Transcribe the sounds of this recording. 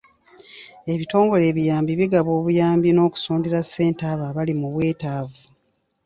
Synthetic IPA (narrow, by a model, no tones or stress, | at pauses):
e̞βito̞ːŋɡo̞le̞ːβijaːmbiβiɡaβo̞ːβujaːmbino̞ːku̥suːndiɾasːe̞ːntaːβaβalimuβwe̞ːtaːvu